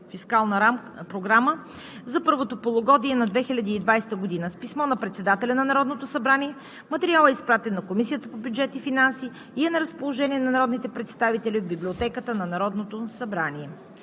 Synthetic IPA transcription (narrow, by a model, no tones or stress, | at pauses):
fiskalˠnəɾam | pɾoɡɾamə | zɐpɤɾvot̪opolˠoɡɔd̪iɛnɐd̪vɛxilʲɐd̪iːd̪vajst̪əɡod̪inəspismɔnɐpɾɛt̪sɛd̪at̪ɛlʲɐnɐnɐɾɔd̪not̪osɐbɾaniɛ | mɐt̪ɛɾialˠɛispɾat̪ɛnːɐkomisijət̪əpobjud͡ʒɛt̪ifinansiː | ɛnɐɾəspolˠoʒɛniɛnɐnɐɾɔd̪nit̪ɛpɾɛt̪st̪avit̪ɛlʲiod̪̚biblʲiot̪ɛkət̪ənɐnɐɾɔd̪not̪osɐbɾaniɛ